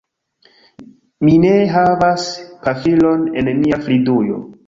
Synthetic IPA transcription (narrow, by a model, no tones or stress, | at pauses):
mine̞ɦavaspafilo̞ne̞nmiaflidujo̞̰